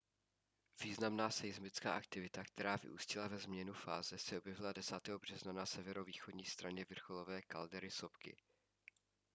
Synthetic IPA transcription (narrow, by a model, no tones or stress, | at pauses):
v̥iːznamnaːsɛɪzmɪt͡ska̰ːʔak̚t̪ɪvɪt̪akt̪ɛɾaːvɪ̰ʔṵːscɪlavɛzmɲɛnufa̰ːzɛsɛʔobjɛvɪladɛsaːt̪ɛːɦobr̝̥ɛznanasɛvɛɾo̞viːxodɲiːst̪ɾaɲɛvr̩xolo̞vɛːkaldɛɾɪso̞pkɪ̰